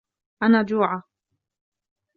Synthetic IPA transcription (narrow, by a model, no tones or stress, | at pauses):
ʔanaːd͡ʒuːʕa